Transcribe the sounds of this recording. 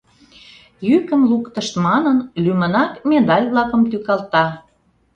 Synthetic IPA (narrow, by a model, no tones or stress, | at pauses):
jykəmlukt̪ə̆ʃt̪mɑnənlymə̆nɑkmed̪ɑlʲβlɑkə̆mt̪ykɑlt̪ɑ